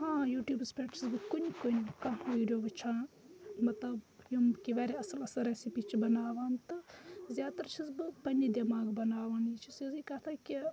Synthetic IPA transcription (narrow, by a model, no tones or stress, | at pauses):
hãːjuːʈjuːbspɾeːʈt͡ʃʰizbɨkunikonʲkɐɦʋiːɖjoːbɨt͡ʃʰaː | mɐt̪lɐbjumkiʋaːɾʲeɐsɐlɐsɐɾɐːsipit͡ʃʰibɐnaːʋaːnt̪ɨzʲjaːt̪ɐɾt͡ʃʰizbɨpɐnid̪imaːɡbɐnaːʋaːnit͡ʃʰisizikɐt̪ʰaːki